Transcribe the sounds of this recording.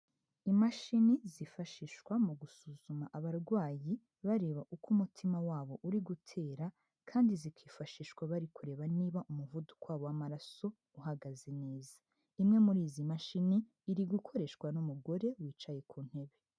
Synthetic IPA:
imaʃinizifaʃiʃwamuɡusuzumaʔaβaɾɡwaːji | βaɾeːβaʔukʰumutʰimawaːβo̞ʔuɾiɡutʰe̞ːɾa | kʰaːndizikwiːfaʃiːʃwaβaɾikuɾe̞ːβaniːβaʔumuvudu̥kwaːβowamaɾaso̞ | uɦaɡazeneːzḁ | imŋe̞muɾiːzimaʃiniː | ɾiɡukʰo̞ɾe̞ʃkwanumuɡo̞ɾe̞wiːt͡ʃaje̞kʰuːn̥he̞βe̞

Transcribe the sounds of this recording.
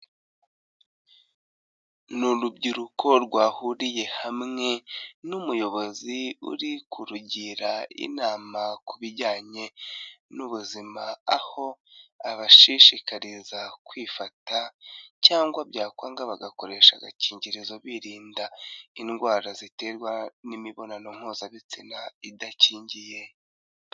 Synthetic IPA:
nuɾubɟiɾukʰo̞ɾɡwaːhuɾije̞hamŋe̞numujo̞βo̞ziṵɾikʰuɾuɟiɾaḭnaːmakuβiɟaːɲe̞nuβuzimaaho̞aβaʃiʃikaɾizakwiːfatacaːŋɡwabɟaːkwaːŋɡaβaɡako̞ɾe̞ːʃa̰ɡa̰ciːɲɟiɾizoβiːɾiːndainɡwaːɾazite̞ːɾɡwanimiβo̞nano̞ŋ̥huːzaβit͡sinaidaciːɲɟije̞

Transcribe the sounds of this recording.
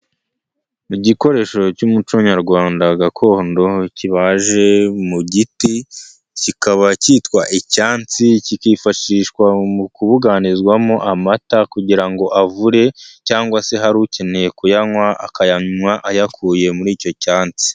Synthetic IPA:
iɟiko̞ɾe̞ːʃo̞cumut͡ʃoɲaɾɡwaːndaɡakʰo̞ːndo̞ciβaʒe̞muɟiti | cikaβaciːtkwaʔicaːnt͡sicikiːfaʃiːʃkwamukuβuɡanizɡwamo̞ʔamatakuɟiɾaŋɡo̞ʔavuɾe̞caːŋɡwase̞ɦaɾuce̞ne̞je̞kujaŋwaʔa̰kajawaʔajakʰuje̞muɾiːco̞caːnt͡si̥

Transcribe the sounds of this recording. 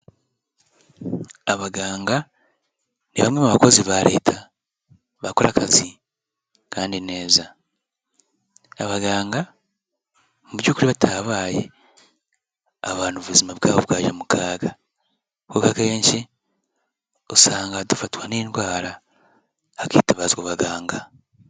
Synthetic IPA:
aβaɡaːŋɡa | niβamŋemuβako̞ziβaɾe̞̰ːtʰa | βakoɾakazi | kaːndine̞ːza | aβaɡaːŋɡa | muβjuːkuɾiβatʰaβaːjḛ | aβaːnuβuzimaβɡaːβoβwaːʒamukʰaːɡa | koːkakeːɲʃe | osaːŋɡadufatwaniːnwaːɾa | akeːtaβazɡwaβaɡaːŋɡa

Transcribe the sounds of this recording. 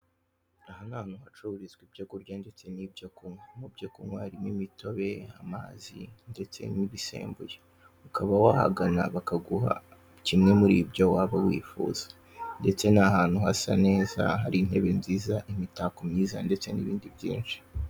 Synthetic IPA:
ahanan̥uhat͡ʃuβuɾizɡwibɟakuɾɟande̞t͡se̞nib̚ɟakuŋwamubɟakuŋwaɾimimitʰo̞βe̞ama̰ːzḭnde̞t͡se̞̰niβise̞̰ːmbuje | ukʰaβawaha̰ɡanaβakaɡuha̰ | cimŋe̞muɾḭbɟowaβawḭːfṵːz̥ḁ | nde̞t͡se̞nahaːn̥huhasa̰ne̞ːza̰ɦaɾin̥he̞βenziːzaʔimitakomɲiːza̰nde̞t͡se̞nḭβiːndibjḭːnt͡ʃi̥

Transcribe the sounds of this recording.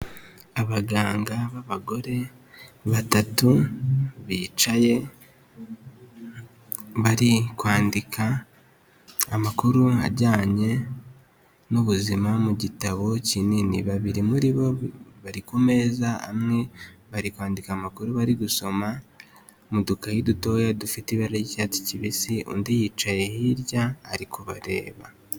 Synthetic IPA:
aβaɡaːŋɡaβaβaɡo̞ɾe̞βatatu | βit͡ʃaje̞ | βaɾikwaːndikʰa | makuɾua̰ɾɟaːɲe̞ | nuβuzimamuɟitaβo̞cininiβaβiɾimuɾiβo̞βaɾikume̞zaa̰mŋe̞βaɾikwaːndikamakuɾuβaɾiɡuso̞ma | mudukahiduto̞ːjadufitiβaɾaɟicati̥ciβisiṵndijit͡ʃaje̞hiɾjaːɾikʰoβa̰ɾe̞ːβa

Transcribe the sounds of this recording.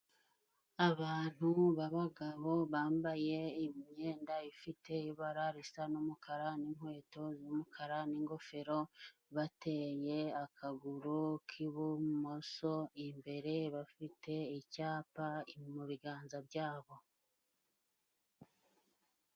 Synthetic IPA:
aβaːn̥huβaβaɡaβo̞βaːmbaje̞imɲe̞ːndaifite̞iβaɾaɾisanumukʰaɾaniŋ̥hwe̞ːto̞zomukʰaɾaniːŋɡo̞fe̞ɾo̞βate̞je̞akʰaɡuɾukʰiβumo̞so̞imbe̞ɾe̞βafite̞icaːpamuβiɡaːnzabɟaːβo̞

